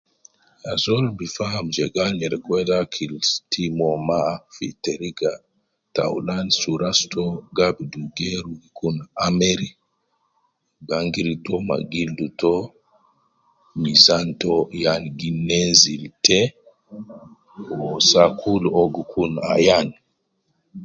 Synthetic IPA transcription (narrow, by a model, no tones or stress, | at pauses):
azɔlbifahamd͡ʒɛɡalɲɛɾɛkwɛdakʰilstimɔmafḭteɾiɡa | ta̰wlansuɾastɔɡabduɡɛɾuɡikunameɾi | ɡaŋɡiɾitɔma̰ɡildutɔ | mizantɔjanɡinɛnziltɛ | ɔsakʰulɔɡukʰuna̰jan